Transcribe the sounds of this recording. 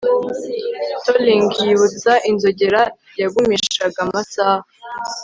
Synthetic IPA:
toliŋɡjiβut͡saʔinzoɟeɾaɾjaɡumiʃaɡamasaːha

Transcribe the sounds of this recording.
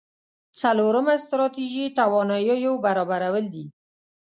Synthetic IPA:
t͡saloɾəmast̪ɾɑt̪iʒit̪awɑnɑjojobaɾɑbaɾawəld̪i

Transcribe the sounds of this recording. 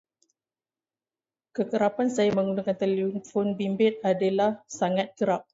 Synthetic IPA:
kəkəɾapansajamə̃ŋɡunakant̪əlifɔnbimbɪt̪̚adalahsaŋat̪̚kəɾap̚

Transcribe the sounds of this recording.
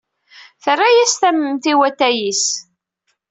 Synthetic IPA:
θərːajæst̪æməmt̪iwæt̪ːæjis

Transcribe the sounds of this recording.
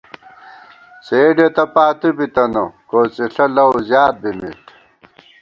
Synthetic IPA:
seːɖet̪ɐpaːt̪ubit̪ɐnokoːt͡siɬɐlɐwzjaːt̪̚bimḭʈ

